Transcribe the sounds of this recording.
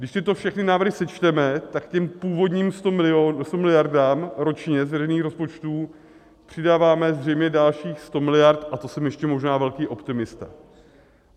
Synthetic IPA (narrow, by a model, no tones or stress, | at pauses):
ɡdɪʃt̪ɪt̪o̞fʃɛxnɪnaːvɾrɦɪsɛt͡ʃt̪ɛmɛt̪akcɛmpuːvo̞dɲiːmst̪oɪost̪omɪlɪjaɾdaːmɾo̞t͡ʃɲɛzvɛrɛjniːxɾo̞spo̞t͡ʃt̪uː | pr̥ɪdaːvaːmɛzr̝ɛjmɲɛdalʃiːxst̪o̞mɪlɪjaɾt̪ʔat̪o̞sɛmjɛʃcɛmo̞ʒnaːvɛlkiːʔo̞pt̪ɪmɪst̪a